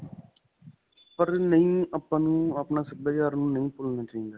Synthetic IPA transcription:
pəɾnəĩːəpːãːnũːəpnaːsək̚bəːd͡ʒaːɾnũːnəĩːpʊlnaːt͡ʃaːɦĩːnd̪aː

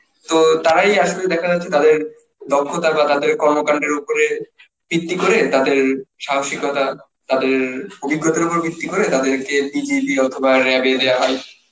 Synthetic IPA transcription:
t̪ot̪aɾajaʃoled̪ɛkʰad͡ʑatːʰet̪ad̪eɾ | d̪ɔkʰːot̪abat̪ad̪eɾkɔɾmokaɳɖeɾupoɾe | b̥it̪ːikoɾet̪ad̪eɾʃaɦoʃikot̪a | t̪ad̪eɾobiɡːot̪oɾopoɾbʱit̪ːikoɾet̪ad̪eɾkebid͡ʑibiɔt̪ʰobaɾɛabeed̪eaɦɔe

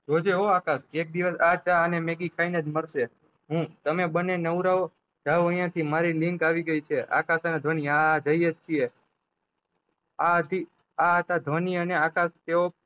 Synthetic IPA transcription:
d͡ʒod͡ʒeɦoakasek̚d̪iʋəsat͡ʃaənemeɡikʰainəd͡ʒməɾʃe | ɦũt̪əmebənenəʋuɾao | d͡ʒaʋoə̃j̃jãt̪ʰimaɾilɪ̃ŋkaʋiɡəit͡ʃʰeʔa̰kasəned̪ʱʋəniad͡ʒəjet͡ʃʰie | at̪i | aət̪ad̪ʱʋəniəneakast̪eo

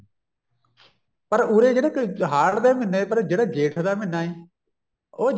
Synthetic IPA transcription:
pəɾuːɾeːd͡ʒeɽeːkɦaːɽd̪eːmɪneːpəɾd͡ʒeɽẽːd͡ʒeːʈʰd̪aːmɪnaːeː | oːd͡ʒ

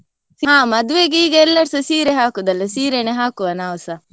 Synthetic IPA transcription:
siɦãːmɐd̪ʋeːɡeiːɡɐɛlːɐɽsɐsiːɾeɦaːkud̪ɐlːɐsiːɾeneɦaːkuʋɐnaːʋɐsɐ

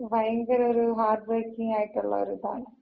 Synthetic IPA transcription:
ʋɐjɐŋɡɐɾoɾɯɦaːɾɖʋeɾkɪŋɡaːjiʈːʊɭːɐ̰ɔ̰ɾɯt̪a̰ːn

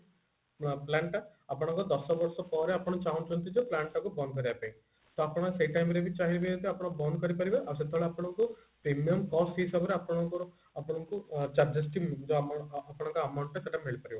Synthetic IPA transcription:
plaɳʈaapɔɽɔŋkud̪ɔsɔbɔɾsɔpɔɾeapɔɽ̃ɔt͡ʃaunt͡ʃunt̪id͡ʒoplaɳʈakubɔnkɔɾiapẽj̃ | t̪oapɔɽ̃ɔsejʈajmɾebit͡ʃaɦiibeet̪eapɔɽ̃ɔkubɔnkɔɾipaɾibaʔɐsed̪ʱɔɭeapɔɽ̃ɔŋkupɾemijɔmkɔsisabɔɾeapɔɽ̃ɔŋkɔ | apɔɽ̃ɔŋkut͡ʃaɾd͡ʒɐsʈid͡ʒoːpɔɽ̃ɔŋkuɐmawɳʈeseʈameɭipaɾiba

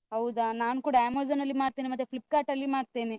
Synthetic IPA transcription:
ɐwud̪anaːnukuːɽaeːmoːd͡ʒɐnɐlːimaːɽt̪eːnimɐd̪ːepʰlip̚ːkaːʈɐlːimaːɽt̪eːni

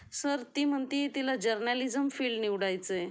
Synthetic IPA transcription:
səɾt̪im̤əɳt̪it̪ilad͡ʑəɾnalid͡zəmfilɖniʋɽajt͡se

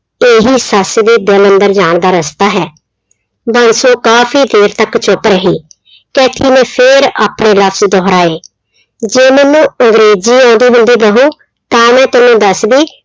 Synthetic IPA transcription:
eːɦiːsəsd̪iːd̪ələnd̪əɾd͡ʒaːɳd̪aːɾəst̪aːɦɛː | bənsoːkaːfʰiːd̪eːɾt̪əkt͡ʃʊpɾəɦiː | kɛːt̪ʰiːnẽːpʰɪɾa̰ːpɳẽːləpʰsd̪ɔːɦɾaːeː | d͡ʒeːmənːũːəŋɡɾeːd͡ʒiːãːnd̪iːbʊ̃nd̪iːb̪əɦũː | t̪ãːmɛ̃ːt̪ɪnũːd̪əsb̪iː

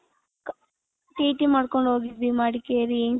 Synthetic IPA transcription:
k | ʈiːʈimaːɽkoɳɖoːɡid̪imaːɽikeːɾi

